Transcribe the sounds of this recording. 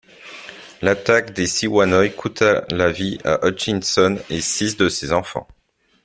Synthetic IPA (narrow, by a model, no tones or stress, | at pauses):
lat̪akd̪esiwanɔjkʰut̪ʰalavia̰ʔɔt͡ʃinsɔnesisd̪əsezɑ̃fɑ̰̃